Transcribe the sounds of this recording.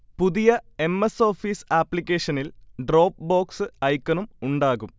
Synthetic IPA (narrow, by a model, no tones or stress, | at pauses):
puðijɐe̞mːeso̞ːfiːsaːpːlikʲːe̞ːʂɐnilɖro̞ːp̚ːbo̞ːksɨɐjkːɐnumuɳɖaːɣum